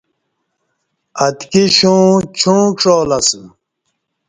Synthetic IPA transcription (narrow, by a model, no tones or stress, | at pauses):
ɐt̪kiɕũːt͡ɕʰũːʈ͡ʂoːlɐs